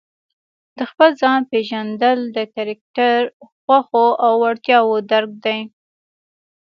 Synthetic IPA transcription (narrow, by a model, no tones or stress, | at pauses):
d̪̥əxpəlzɑnpeʒand̪əld̪əkaɾak̚ʈaɾxwaxoʔawːaɽt̪jɑwod̪aɾɡ̚d̪aj